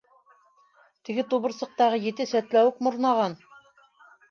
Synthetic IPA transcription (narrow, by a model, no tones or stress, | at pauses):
t̪ɘ̆ɡɘt̪uβɤ̆ɾsɤ̆q̚t̪ɑʁɤjɘ̆t̪ɘsæt̪læwɘk̚mŏɾnɑʁɑn